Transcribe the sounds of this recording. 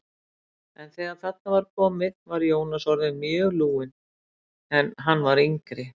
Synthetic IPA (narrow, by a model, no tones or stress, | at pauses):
ɛnθɛːɣaðθɛt̪ːavaɾkʰɔmɪðnvaɾjoːwnasɔɾðɪmjœːɣluːɪn | ɛnɦanːvaɾiŋkɾɪ